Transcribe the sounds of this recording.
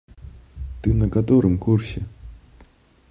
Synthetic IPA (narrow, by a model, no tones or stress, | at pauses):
t̪ɨnɐkat̪oɾɨmkursʲɛ